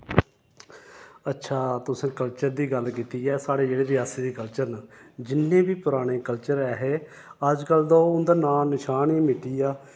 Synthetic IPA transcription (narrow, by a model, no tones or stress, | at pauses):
ətːʃʰaːt̪ʊsẽːkəlt͡ʃəɾd̪iːɡəlkiːt̪iːɛːsaːɽeːd͡ʒeːɽeːd̪ɪaːseːd̪iːkəlt͡ʃəɾnəd͡ʒɪnːẽːbiːpʊɾaːɽ̃eːkəlt͡ʃəɾɛːɦeː | əd͡ʒkəld̪oːʊnd̪aːnaːnɪʃaːniːmɪʈiːjaː